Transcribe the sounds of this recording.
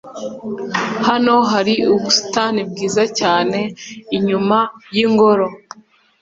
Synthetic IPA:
hano̞ɦaɾiubusi̥tanib̚ɡiːzacaːne̞iɲumajiŋɡo̞ɾo̞

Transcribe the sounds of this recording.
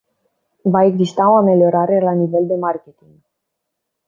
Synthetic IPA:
vaeɡzist̪auameljoɾaɾelaniveld̪emaɾket̪iŋɡ

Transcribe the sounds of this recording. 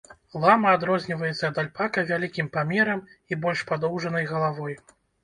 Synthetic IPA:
lˠamɐːd̪ɾɔzʲnʲivɐjɛt̪sːɐːd̪alʲpakɐvʲalʲikʲimpamʲɛɾɐmibɔlʲʂpad̪ɔwʐɐnɐjɣɐlˠavɔj

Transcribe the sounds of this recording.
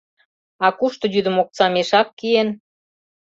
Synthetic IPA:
ɑkuʃt̪ŏjyd̪ə̆mok̚t͡sɑmeʃɑkːien

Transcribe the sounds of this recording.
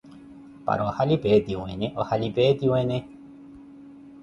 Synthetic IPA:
pa̰ɾohalipet̪iwẽɲẽʔohalipet̪iwẽnẽ

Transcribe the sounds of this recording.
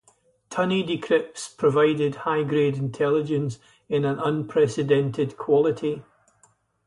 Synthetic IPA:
tʰʌnidɪkʰɹ̥ɪp̚spʰɹ̥əvaɪdɪd̚haɪɡɹedɪ̃ntʰɛlˠɪd͡ʒə̃ns | ɪ̃nə̃nə̃npʰɹ̥ɛsɪdɛ̃ntʰɪdkʰw̥ɔlˠɪʔi

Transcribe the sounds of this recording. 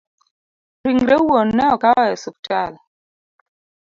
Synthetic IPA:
ɾiŋɾewonːɛɔkaɔjɛsuk̚tal

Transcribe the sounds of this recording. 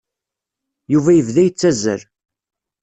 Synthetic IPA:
juvæjəvðæjət͡sːæzə̰ɾ

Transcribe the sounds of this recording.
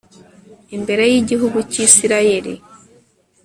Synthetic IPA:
imbe̞ɾe̞jiɟiɦuɡuciːsiɾaje̞ɾḭ

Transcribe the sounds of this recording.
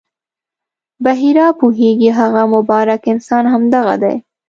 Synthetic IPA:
baɦiɾɑpuɦeɡiɦaɣamʊbɑɾakɪnsɑnhamd̪aɣa̰d̪a̰j

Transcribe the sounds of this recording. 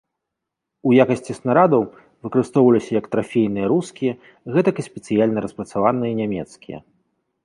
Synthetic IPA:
ujakɐsʲt͡sʲisnaɾad̪ɐw | vɨkɐɾɨst̪ɔwvɐlʲisʲɐjɐkt̪ɾafʲejnɨjɐɾuskʲijɐ | ɣɛt̪ɐkɨsʲpʲɛt̪sɨjalʲnɐɾɐspɾɐt̪savanɨjɐinʲamʲɛt̪skʲijɐ̰

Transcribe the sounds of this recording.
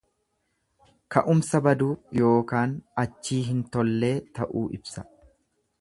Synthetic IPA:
kɐʔʊmsɐbɐd̪uːjo̞ːkaːnɐt͡ʃːiːɦɪnt̪ɔlːe̞ːt̪ɐʔuːʔɪbsɐ̥

